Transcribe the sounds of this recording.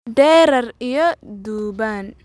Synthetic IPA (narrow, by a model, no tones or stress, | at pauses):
d̪ɛːɾɐrijɔd̪uːbaːn